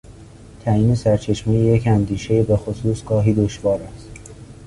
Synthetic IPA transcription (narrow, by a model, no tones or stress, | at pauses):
t̪ʰæiːnesæɾt͡ʃʰeʃmejejecʰænd̪iːʃe̞jebe̞xosuːsɡ̥ɒːɦiːd̪oʃvɒːɾæst̪